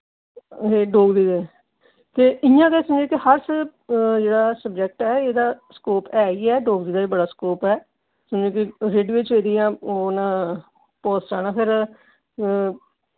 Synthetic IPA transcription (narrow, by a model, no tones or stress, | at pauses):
ɦeːɖoːɡd̪iːd̪eː | t̪eːʔɪjãːk̪eːsəmd͡ʒẽːkɪhəɾs | d͡ʒeːɽaːsəbd͡ʒɛk̚ʈɛːeːd̪aːskoːpɛːiːɛːɖoːɡd̪iːd̪aːiːbəɽaːskoːpɛː | səmd͡ʒeːkɪɾeːɖʋɪːt͡ʃʋeːd̪ijãːoːnaː | pɔːst͡ʃaːnãːpʰɪɾ